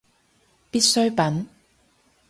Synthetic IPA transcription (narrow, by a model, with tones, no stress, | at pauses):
pi˥t̚sɵ˥ɥpɐ˨˥n